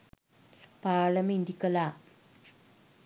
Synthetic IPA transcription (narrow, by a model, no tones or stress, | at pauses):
paːɭɐmind̪ikːɐla